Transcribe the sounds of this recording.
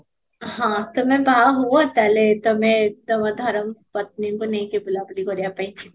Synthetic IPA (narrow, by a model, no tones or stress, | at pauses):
ɦãːt̪omɛ̃baɦuãpɛlet̪omɛ̃d̪ɐməd̪ʱɔɾəmpɐt̪̚niõkonɐɦĩkebʊlabliɡoɾjapɐĩt͡ʃʰi̥